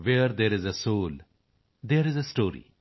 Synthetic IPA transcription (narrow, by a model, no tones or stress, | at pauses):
ʋeɾd̪eɾɪzəsoːl | d̪eɾɪzəsʈoːɾḭ